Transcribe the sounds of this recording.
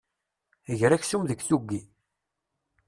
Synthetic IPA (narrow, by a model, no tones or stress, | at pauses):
əʝɾæçsumðəɡθuɡːi